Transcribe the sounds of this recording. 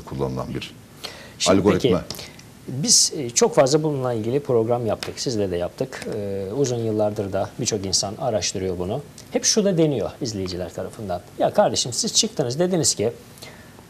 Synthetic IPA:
kʰulˠːa̰nɯlˠa̰nbiɾ | ʃamlʲɡ̪oiɾicʰɪmɛ | biz̥t͡ʃʰo̞kfazlˠabulˠunlˠailʲɟilʲipʰɾo̞ɡɾamjapt̪ʰɯksizlʲɛd̪ɛjap̚t̪ʰɯkɯuzunjɯlˠːaɾd̪ɯɾd̪abit͡ʃʰo̞kinsanaɾaʃt̪ʰɯɾɯjo̞bunu | hɛpʃud̪ad̪e̞nijo̞izlʲe̞jid͡ʒilʲæɾt̪ʰaɾafɯnd̪anjakʰaɾd̪e̞ʃimsiz̥t͡ʃʰɯk̚t̪ʰɯnɯzd̪e̞d̪iniz̥cʰɪ

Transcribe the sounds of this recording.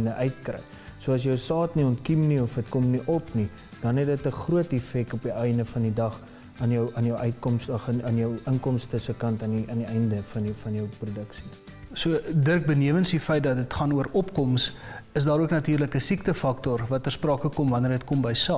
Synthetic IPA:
nəʔœɥtkrɛ̰j | suəɐs̬jəwsɑːtniɔntkimniɔfətkɔmniʔɔpni | d̥ɐnɦɛt̚dətəχruətɛfɛk̚tɔpiɛjndəfɐndidɐχ | ɑnjəwʔɑnjəwʔœɥt̚kɔmsdɐχənɑnjəwəŋkɔmstəsəkɐntɑniʔɑniɛjndəfɐnəfɐnjəwprodəksi̥ | suədərk̚bəniəvənsdifɛjt̚dɐt̚dətχɐnuəɾɔpkɔms | əsdɑːɾuəknɐtiːrləkəsiktəfɐktɔrvɐtərsprɑːkəkɔmvɐnərətkɔmbəjsɑː

